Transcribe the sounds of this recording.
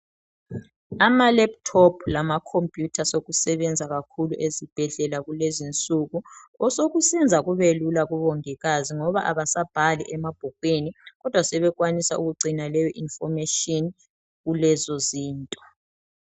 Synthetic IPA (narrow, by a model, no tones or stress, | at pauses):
amalɛp̚tʰɔpʰlamakʰompʼjutʰasoɣusɛβɛnd͡zʱaɣakʰuluʔezib̥ʱɛɮɛlaɣulezint͡sʼuɣuɔsoɣusɛnd͡zʱaɣuβelulaɣuβɔŋiɣaziŋɔβaʔaβasab̥ʱaliʔɛmab̥ʱɔɡ̥̚ʱweniɣɔd̥ʱwasɛβɛɣwanisa̰uɣuɡ͡ǀinalɛjɔʔinfɔmɛʃɔn | ɣulɛzɔziːntʼɔ